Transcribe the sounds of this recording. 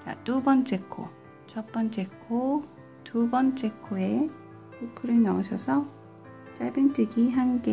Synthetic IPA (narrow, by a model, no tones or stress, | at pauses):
t͡ɕa̰t͈ubʌnt͡ɕ͈ekʰo̰ | t͡ɕʰʌt̚p͈ʌnt͡ɕ͈ekʰo | tubʌnt͡ɕ͈ekʰoe̞ | kukʰɯɾɯnʌuɕʰʌsʰʌ | t͡ɕ͈aɭbɯntʰɯɡiɦanɡe